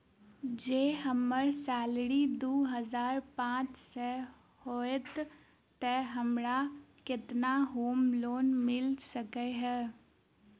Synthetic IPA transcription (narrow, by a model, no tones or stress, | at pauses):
d͡ʒeːɦəməɾsaːlɽid̪oːɦəzaːɾpãːt͡ʃse | hoːet̪ | t̪ɛɦəmɾakɪt̪naɦoːmloːnmɪlsəkeɦɛː